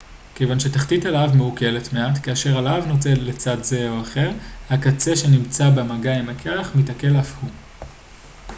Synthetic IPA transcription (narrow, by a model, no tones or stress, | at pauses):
ke̞jvanʃe̞taχtitalavmeuke̞letme̞atkeaʃe̞ʁalavnot͡se̞llet͡sadze̞oaχe̞ʁhakat͡seʃe̞nimt͡sabemaɡaimakʰeaχmitake̞lafhu